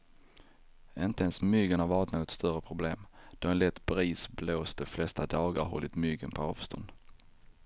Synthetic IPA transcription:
ɪnt̪əɛnsmʏɡəɳhaɾvɑːɾɪt̪noːɡɔt̪st̪œɾəpʰɾʊbleːmd̪̥ɔɛnlɛt̪ːbɾiːsbloːsd̪ɛflɛst̪ad̪ɑːɡaɾɦɔ̰lːɪt̪mʏɡə̰npʰɔɑːv̥st̪ʰɔ̰nd̪

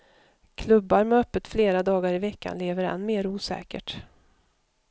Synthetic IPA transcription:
kʰlɵbːaɾmɛœpːət̪fleːɾad̪ɑːɡaɾɪvɛkʰːa̰nleːvəɾɛ̰nːmeːɾuːsɛ̰ːkə̰ʈ

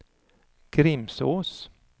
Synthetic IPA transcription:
ɡ̥ɾɪmsoːs

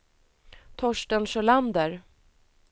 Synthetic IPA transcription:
t̪ʰɔʂʈənɕœɭand̪əɾ

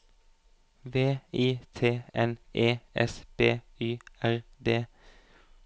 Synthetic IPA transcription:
ʋeːiːt̪ʰeːɛnʔeːɛ̰sb̥eː | yːæʁd̪eː

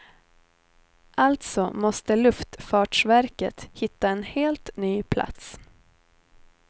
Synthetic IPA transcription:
ʔalt̪sɔmɔst̪əlɵft̪fɑːʈʂvæɾkə̰t̪hɪt̪ːaɛnheːlt̪nyːpʰlʔa̰t̪s

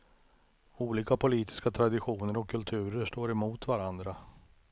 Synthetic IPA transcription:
uːliːkapʰʊliːt̪ɪ̥skat̪ʰɾad̪ɪɧuːnəɾɔkʰːɵlt̪ʰʉ̟ːɾəʂʈoːɾɛmuːt̪vaɾand̪ɾa

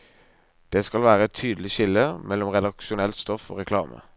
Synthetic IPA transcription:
d̪̥eːskɑlʋæːɾəɛt̪ʰːyːd̪əlɪçɪlːəmɛlːɔmʁɛd̪ɑkʃʊnɛlt̪st̪ɔfo̰ːʁɛkʰlɑ̰ːmʔə̰

